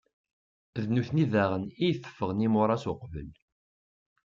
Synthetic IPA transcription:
ðnuθniðæʁənijθə̥fːəʁnimʊɾˤɑsʊqvə̰l

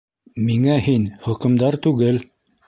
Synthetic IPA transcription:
miŋæhinhɵ̆qɵ̆md̪ɑɾt̪ʉɡɘl

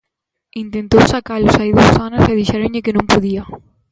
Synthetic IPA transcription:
int̪ẽnt̪owsakalosajðosanasɛðiʃɛɾõŋʎɪkɪnõŋpoðia

